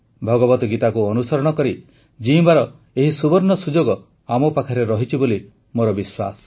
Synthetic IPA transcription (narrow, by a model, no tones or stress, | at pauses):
bʱɔɡɔbɔt̪ɔɡit̪akuɔnusɔɾɔɽ̃ɔkɔɾi | d͡ʒibaɾɔ | eɦisubɔɾnɔsud͡ʒoɡɔ | amɔpakʰaɾeɾɔɦit͡ʃʰiboli | moɾɔbiswa̰sɔ̥